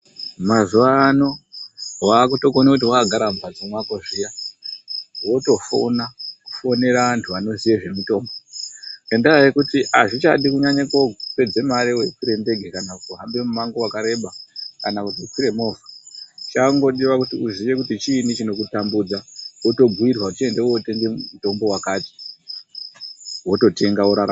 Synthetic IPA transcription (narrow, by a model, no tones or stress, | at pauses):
mazuʋaːno̞waːkuto̞konakut̬iwakaɡʱaɾambʱad͡zomwakoʐija | wo̞to̞fo̰naku̥fo̞ne̞ɾaʋantʰuʋano̞ziʋeʐe̞mito̞ːmɡoendaajekutiʔaʐit͡ʃaɗikuɲaɲakope̞d͡zemaɾewe̞kwiɾe̞nde̞ɡʱekanakutuɦambe̞mumaŋɡowakaɾe̞ɓakanakutikiɾe̞mo̞vat͡ʃaŋɡo̞ɗiʋakutiuziʋe̞kutit͡ʃiːnit͡ʃino̞kutambuːd͡zaoto̞ɡʱuirwat͡ʃie̞ndewote̞ŋɡemuto̞mbo̞wakaːti̥ | wo̞to̞te̞ŋɡaoɾaɾa̰